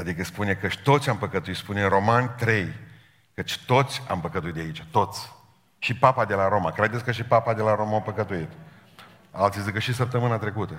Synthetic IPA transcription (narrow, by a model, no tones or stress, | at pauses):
ad̪ikəspune̞kəʃt̪o̞t̪sʲampəkət̪uit̪spuneɾo̞manʲt̪ɾe̞j | kət͡ʃt̪o̞t̪sʲa̰mpəkət̪uit̪d̪eait͡ʃat̪o̞t̪sʲ | ʃipapad̪e̞laɾo̞makɾed̪et̪sʲkəʃipapad̪e̞laɾo̞mawpəkət̪uit̪ | alt̪sizikəʃisəp̚t̪əmɨnat̪ɾe̞kut̪ə